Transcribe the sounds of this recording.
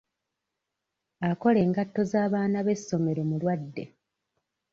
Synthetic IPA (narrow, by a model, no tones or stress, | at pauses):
ako̞le̞ːŋɡatːo̞zaːβaːnaβe̞sːo̞me̞ɾo̞mulwadːe̞̰